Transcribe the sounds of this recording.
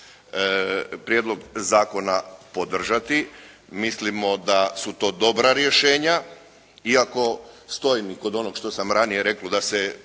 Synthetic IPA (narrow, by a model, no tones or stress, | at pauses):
pɾjeːd̪lo̞ɡzaːko̞napo̞d̪r̩ʒat̪i | mislimo̞d̪asut̪o̞ːd̪o̞bɾaɾje̞ʃe̞ːɲa | iako̞st̪o̞jimiko̞d̪o̞noɡʃt̪o̞samɾanije̞ɾe̞klod̪ase